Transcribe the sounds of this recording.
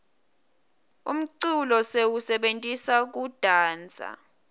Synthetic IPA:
um̩ǀulɔsewusɛɓentʼisak̬ud̥ʱaːnd͡zʱa̰

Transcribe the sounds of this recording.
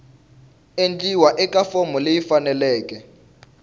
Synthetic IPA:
end͡ɮiwaʔɛkafɔmɔlejifanɛlɛːkɛ

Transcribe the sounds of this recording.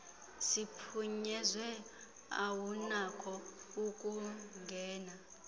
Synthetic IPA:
sipʰuɲɛzwɛ | a̰wunakʰɔukʼuŋɡʱɛːna

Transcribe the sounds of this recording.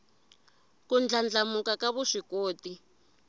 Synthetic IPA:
kund͡ɮand͡ɮamukakaβuʂikoːti

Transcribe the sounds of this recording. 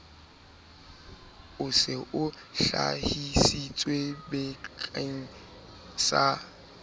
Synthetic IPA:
ʊsɪʔʊ | ɬa̰hisit͡sʼwebɛkʰʼaŋ̩ | sa

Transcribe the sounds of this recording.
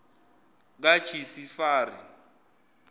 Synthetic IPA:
k̬at͡ʃʰisifaːri

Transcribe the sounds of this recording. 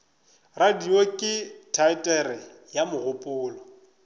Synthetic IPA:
radiokʼɪtʰaɪtʼɛrɪ | jamʊɣʊpʼʊːlɔ

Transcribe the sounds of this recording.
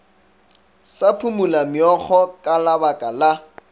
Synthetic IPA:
sapʰumulamɪɔχɔkʼalabakʼala

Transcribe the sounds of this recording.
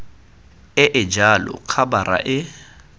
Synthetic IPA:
ɪʔɪd͡ʒalɔ̰kʰabaɾa̰ʔɪ

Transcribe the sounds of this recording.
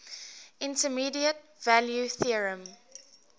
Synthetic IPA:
ʔɪ̃ntəmiːdiətvæljuθiəɹə̃m

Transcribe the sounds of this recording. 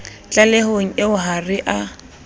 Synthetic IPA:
t͡ɬʼalehoŋ̩ɪʊɦarɪʔa

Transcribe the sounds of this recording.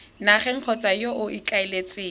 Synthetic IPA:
naχɛŋ̩q͡χʰɔt͡sʼajoʔʊʔikʼaɪlet͡sʼeː

